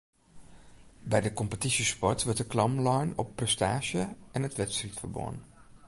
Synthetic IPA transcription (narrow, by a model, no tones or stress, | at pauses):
bɛjdəkɔmpətisispɔɹtʋəɹtəklɑmlɔjnɔ̰pːrɛstaːʒjəɛnətʋɛtsritfərbo̰ːn